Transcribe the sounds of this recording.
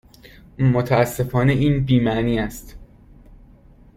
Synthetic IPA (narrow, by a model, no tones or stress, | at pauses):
mot̪ʰææsːe̞fɒːneʔiːnbiːmæʔniːæst̪